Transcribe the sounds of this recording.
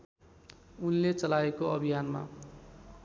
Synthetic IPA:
unlet͡sʌlaekoʌbʱijanma̰

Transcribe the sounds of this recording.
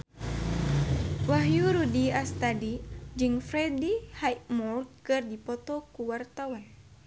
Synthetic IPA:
waɦjuɾudiast̪adid͡ʒɨŋfɾɛdihajmɔrkɨrdipɔt̪ɔkuwart̪awan

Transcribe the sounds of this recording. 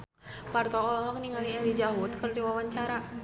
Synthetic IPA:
part̪ɔɔlɔɦɔkniŋaliɛlid͡ʒaɦut̪̚kərdiwawaɲt͡ʃaɾa

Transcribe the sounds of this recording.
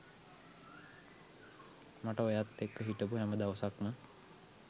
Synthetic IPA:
maʈəojat̪ːekːəɦiʈəpuɦæməd̪aʋəsakmə

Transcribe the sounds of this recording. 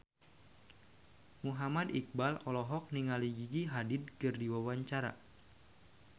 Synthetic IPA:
muɦamadik̚balɔlɔɦɔk̚niŋaliɡiɡiɦadɪd̚kɨrdiwawaɲt͡ʃaɾa̰

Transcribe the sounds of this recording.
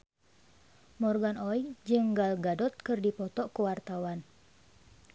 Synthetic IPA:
mɔrɡanɔid͡ʒɨŋɡalɡadɔt̪̚kɨrdipɔt̪ɔkəwart̪awan

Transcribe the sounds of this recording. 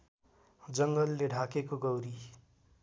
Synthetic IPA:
d͡zʌŋɡʌlːeɖʱakekoɡʌwɾi

